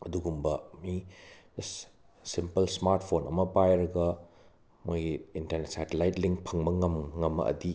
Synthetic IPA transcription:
ɐduɡumbɐmi | simpɐlsmaɾt̚pʰonɐmɐbajɾɐɡɐ | mojɡiintɐɾnet̚satelajtliŋpʰɐŋbɐŋɐmŋɐmːɐ̰ʔɐ̰di

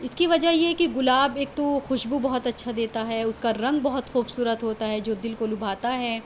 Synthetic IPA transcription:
ɪskiʋɐd͡ʒaɦjeɦɛkiɣʊlaːbeːk̚t̪oxʊʃbubɐɦɔt̪ɐtːʃʰad̪eːt̪aɦɛʊskaɾɐ̃ŋɡ̚bɐɦʊt̪xuːbsuːɾət̪ɦoːt̪aɦɛd͡ʒoːd̪ɪlkolʊbʱaːt̪aɦɛː

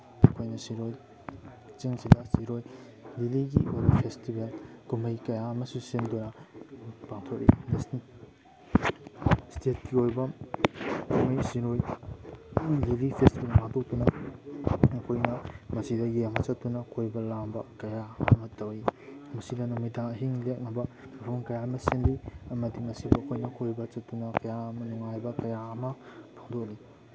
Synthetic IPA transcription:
ɐkʰojnɐsiɾoj | t͡ʃiŋsidɐsiɾoj | liliɡiojbɐpʰestibelkumɐjkɐjaɐmɐsusindonɐ | paŋtʰotḭnes | stʰet̚kiojbɐ | numɐjsiɾoj | lilipʰestibelmatʰok̚tunɐ | ɐkʰojnɐmɐsidɐjeɐmɐt͡ʃɐttːunɐkʰojbɐlambɐkɐjaɐ̰mɐtɐwimɐsidɐnumidaŋɐɦiŋlek̚nɐbɐmɐpʰomkɐjaɐmɐsinliɐmɐdimɐsibɐːkʰojnɐkʰojbɐt͡ʃɐttunɐkɐjaɐmɐnuŋajbɐkɐjaɐmɐpʰaŋdok̚i

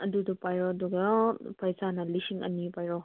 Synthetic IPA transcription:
ɐdudupajɾɔɐduɡɐpʰajzanɐlisiŋɐ̰nipajɾɔ

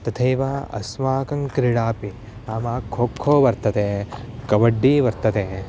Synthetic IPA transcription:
t̪ɐt̪ʰɐjʋaːɐ̰smaːkɐŋkɾiɽaːpi | naːmaːkʰːoːkʰːoːʋɐɾt̪ɐt̪eː | kɐʋɐɖːiʋɐɾt̪ɐt̪eː

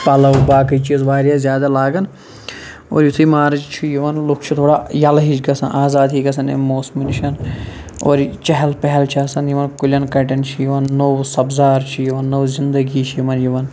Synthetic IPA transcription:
pɐlɐwbaːkɐit͡ʃiːzʋaːɾjaːzjaːd̪alaːɡɐn | o̰ːɾjut̪ʰiimaːɾɐd͡ʒt͡ʃʰijiʋɐnlʊkʰt͡ʃʰut̪ʰoːɽaːjɐlɦid͡ʒɡɐsɐnʔaːzaːd̪ɦiɡɐsʰɐnḛmoːsminiʃɐno̰ːɾt͡ʃɐɦɐlpɛɦɛlt͡ʃʰɐsɐnjiʋɐnkulʲɐnkɐʈɐnt͡ʃʰijiʋɐnːowsɐbzaːɾt͡ʃʰijiʋɐnːowzind̪ɐɡit͡ʃʰjiʋɐnjiʋɐn

